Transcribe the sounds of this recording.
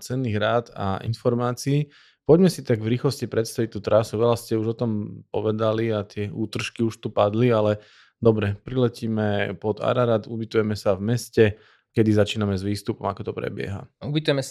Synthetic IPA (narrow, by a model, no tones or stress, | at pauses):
t͡sɛnːiːɣɾaːd̪a̰ʔḭnfɔɾmaːt͡siː | pɔɟmɛsit̪aɡvɾiːxlɔscipɾɛt̪st̪aʋic̚t̪uːt̪ɾasuʋɛlascɛuʒɔt̪ɔmp̚ɔʋɛd̪aliat̪ɪɛuːt̪r̩ʃkiuʃt̪upad̪lialɛ | d̪ɔbɾɛpɾilɛciːmɛpɔd̪a̰ɾaɾat̪ubit̪ujɛmɛsavmɛscɛ | kɛd̪izat͡ʃiːnamɛzʋiːst̪upɔmakɔt̪ɔpɾɛ̰bɪɛ̰ɦa̰ubit̪ujɛmɛs